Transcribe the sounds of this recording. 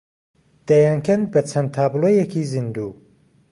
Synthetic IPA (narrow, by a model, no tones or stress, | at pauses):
d̪̥ajaːŋkʰɐn̚bɐt͡ʃʰɐnt̪ʰaːblˠojɛkiːzɨnd̪uː